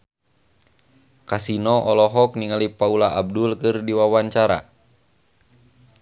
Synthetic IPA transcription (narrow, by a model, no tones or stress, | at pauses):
kasinɔʔɔlɔɦɔkniŋalipaulaʔab̚dulkɨrdiwawaɲt͡ʃaɾa̰